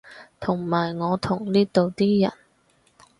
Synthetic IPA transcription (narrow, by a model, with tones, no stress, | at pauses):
t̪ʰʊ˨˩ŋmaː˨˩jŋɔː˨˧t̪ʰʊ˨˩ŋliː˥t̪o˨wt̪iː˥jɐ̰˨˩n